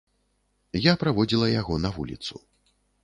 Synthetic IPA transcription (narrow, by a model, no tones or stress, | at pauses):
japɾavɔd͡zʲilˠɐjaɣɔnɐvṵlʲḭt̪sṵ